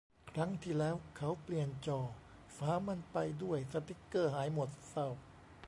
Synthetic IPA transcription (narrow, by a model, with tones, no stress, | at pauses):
kʰɾa˦˥ŋt̪ʰiː˥˩lɛː˦˥wkʰa˦˥wpli˨˩ənt͡ɕɔː˧˩ | faː˨˦˥ma˧npa˧jdu˥˩əjsa˧t̪i˦˥kːɤː˥˩ɦaː˩˦jmo˨˩t̪̚sa˧˥˩w